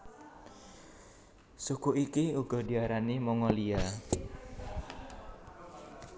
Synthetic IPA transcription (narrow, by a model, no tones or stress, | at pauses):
sukuʔikiuɡ̥ɔ̤di̤aɾanimɔŋɔlia